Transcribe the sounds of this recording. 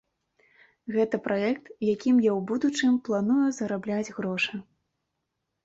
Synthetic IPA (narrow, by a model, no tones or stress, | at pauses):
ɣɛt̪ɐpɾaɛk̚t̪jakʲimjawbud̪ut͡ʂɨmplˠanujuzɐɾablʲad͡zʲɣɾɔʂɨ